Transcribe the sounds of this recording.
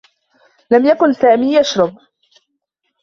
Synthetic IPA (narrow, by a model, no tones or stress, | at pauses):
lamjakʊnsaːmiːjaʃɾˤɑb̚